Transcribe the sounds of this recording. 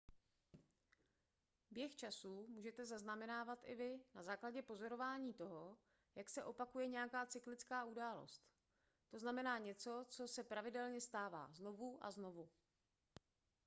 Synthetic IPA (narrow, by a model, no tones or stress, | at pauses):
bjɛxt͡ʃasumuːʒɛt̪ɛzaznamɛnaːvat̪ʔɪvɪnazaːklaɟɛpo̞zo̞ɾo̞vaːɲiːt̪o̞ɦo̞ | jaksɛʔo̞pakujɛɲɛjakaːt͡sɪklɪt͡skaːʔudaːlo̞̰st̪ | t̪o̞znamɛnaːɲɛt͡so̞t͡so̞sɛpɾavɪdɛlɲɛst̪aːva̰ːzno̞vuʔa̰zno̞vu